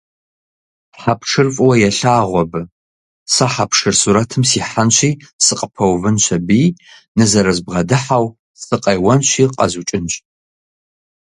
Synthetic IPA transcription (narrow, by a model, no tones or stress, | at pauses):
ħapʰʂɨrfʼwɐjɛɬaːʁʷɔbɨ | sɐħapʰʂɨrsuɾɐtʰɨmsiːħanɕʷiːsɨqʼəpʰɐwvɨnɕʰɐbiː | nɨzɐɾɐzbʁɐdɨħaw | sɨqʼɐjwɐnɕiːqʼɐ̰zut͡ʃʼɪnɕʼ